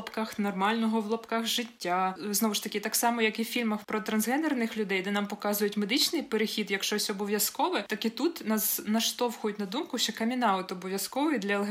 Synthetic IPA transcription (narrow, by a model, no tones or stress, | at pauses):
ɔpkɑxnɔrmɑlʲnɔɦɔʋlˠɔpkɑxʒɪtʲːaznɔʋʊʃt̪ɐkʲɪt̪ɑksɑmɔjɐkifʲilʲmɐxpɾɔt̪ɾɐnzɦɛnɛrnɪxlʲʊd̪ɛjd̪ɛnɑmpɔkɑzʊjʊtʲmed̪ɪt͡ʃnɪjpeɾexʲid̪jɐkʃt͡ʃɔsʲɔbɔʋʲjɐskɔʋɛt̪ɑkit̪ut̪nɐznɐʃt̪ɔwxɔjʊtʲnɐd̪umkʊʃt͡ʃɛkɐmʲinɑʊt̪ɔbɔʋʲjɐskɔʋʊd̪lʲɐelˠɦ